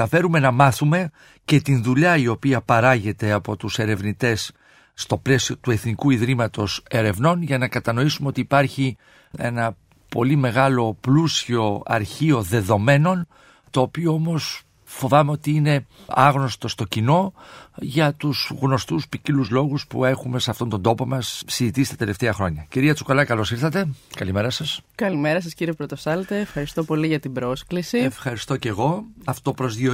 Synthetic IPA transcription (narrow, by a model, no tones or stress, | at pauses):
ɐfe̞ɾume̞nɐmɐθume̞ | ce̞t̪inðuʎɐio̞piɐpɐɾɐʝe̞t̪e̞ɐpo̞t̪use̞ɾe̞vnit̪e̞sː | t̪o̞ple̞sio̞t̪ue̞θnikuiðɾimɐt̪o̞se̞ɾe̞vno̞nʝɐnɐkɐt̪ɐno̞isumeo̞t̪iːpɐɾçi | e̞̰nɐ | po̞̰lime̞ɣɐlo̞plusio̞ɐ̰ɾçio̞ðe̞ðo̞me̞no̞n | t̪o̞ːpio̞o̞mo̞s | fo̞vɐme̞o̞t̪iine̞ɐɣno̞st̪o̞st̪o̞cino̞ʝɐt̪uzɣno̞st̪uspiciluzlo̞ɣuspṵe̞xume̞sɐft̪o̞nt̪ond̪o̞po̞mɐsːizit̪isi̥t̪ɐt̪e̞le̞ft̪eɐxɾo̞ɲɐciɾiɐt͡sukolɐkɐlo̞siɾθɐt̪e̞kɐlime̞ɾɐsɐskɐlimeɾɐs̬ɐsciɾiepɾot̪osɐlt̪eːfxɐɾist̪o̞po̞liʝɐt̪ibɾo̞sklisiefxɐɾist̪o̞ce̞ɣo̞ɐftt̪opɾo̞zðio